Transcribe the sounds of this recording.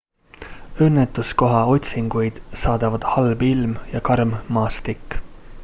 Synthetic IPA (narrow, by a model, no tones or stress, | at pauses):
ønːet̪ːˑusko̞ɦɑo̞t̪ʲsiŋɡ̥ujd̪̥sɑːd̪̥ɑvɑd̪̥hɑlbilmjɑkɑrmmɑːst̪ikːˑ